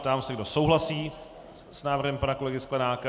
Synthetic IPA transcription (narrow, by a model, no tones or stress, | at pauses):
t̪aːmsɛɡdo̞sowɦlasiː | snaːvr̩ɦɛmpanako̞lɛɡɪsklɛnaːka